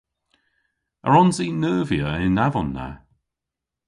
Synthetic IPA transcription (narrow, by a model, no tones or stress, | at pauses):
ə̰ɹɔnzinəːvjəɪnavɔnːa̰